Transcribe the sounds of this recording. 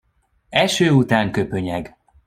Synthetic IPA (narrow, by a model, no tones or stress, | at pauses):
ɛʃøːut̪aːŋkøpøɲɛɡ